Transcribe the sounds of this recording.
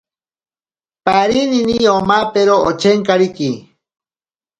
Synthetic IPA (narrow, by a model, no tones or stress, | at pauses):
paɾininiomapeɾoot͡ʃʰeŋkaɾiki